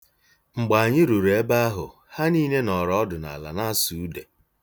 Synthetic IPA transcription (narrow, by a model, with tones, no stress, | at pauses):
ŋ͡m̩˨ɡ͡ba˨a˨ɲɪ˦ɾu˨ɾe˦ba˦a˦ɦʊ̰˨ | ha˦niː˦ne˦nɔ˨ɾɔ˨ɔ˦dʊ˨na̰˨la̰˨na˦a˦su˨u˦de˨